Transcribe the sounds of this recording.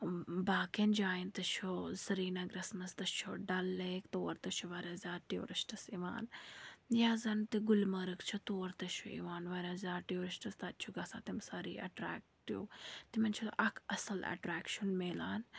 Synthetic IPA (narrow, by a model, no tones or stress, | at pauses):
baːkend͡ʒaːjint̪ɐt͡ʃʰozɐɾiːnɐɡɾɐsmɐst̪ɐt͡ʃʰoɖɐlːeːkt̪oːɾt̪ɐt͡ʃʰuʋɐɾʲaːzʲaːʈio̰ɾiʃʈɐsiʋa̰ːnjaːzɐnt̪iɡulmɐɾɨkt͡ʃʰut̪oːɾt̪ɐʃʰuḭʋaːnʋɐɾʲaːzʲaːʈioɾiʃʈɐst̪ɐt̪̚t͡ʃʰuɡɐsaːt̪imsɐɾḭːʔɐ̰ʈɾa̰ːk̚ʈjṵːt̪imɐnʲt͡ʃʰut̪ʔɐkʰɐ̰sɐlɐ̰ʈɾaːkʃunmeːlaːn